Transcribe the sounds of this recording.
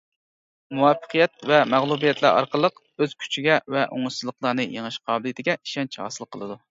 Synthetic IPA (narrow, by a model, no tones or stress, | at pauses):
muwɑfə̥qʰijɛt̪̚vɛmæʁlˠubijɛt̪læ̰ɾɑ̰ɾqəlˠəq | øz̥kʲʰy̥t͡ʃʰiɡʲɛvɛʔo̰ŋɨsɨzlˠəqlˠɑnɨjeŋɨʃqʰɑːbɪlˠit̪ʰɪɡʲɛiʃɛnt͡ʃʰhɑ̰ːsɨlˠqʰːəlˠɨd̪u